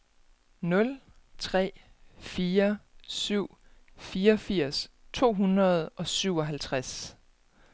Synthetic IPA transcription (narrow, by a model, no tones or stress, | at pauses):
nɔ̽l | t͡sʰʁɛ̰ː | fiːɐsyʊ̰ | fiːɐɒfiɐ̰s | t͡sʰo̝̰ːɦunʁɐð̞̩ˠʔɒ̽syʊ̰ɒ̽ɦælt͡sʰʁas